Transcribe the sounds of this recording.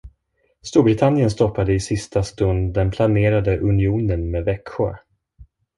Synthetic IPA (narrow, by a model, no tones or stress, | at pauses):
st̪uːɾbɾɪt̪ʰanːɪjənst̪ɔpːad̪əɪsɪst̪ast̪ɵnd̪d̪ɛnpʰlaneːɾad̪əʔɵnɪuːnənmeːvɛkɧʊ̰ɾ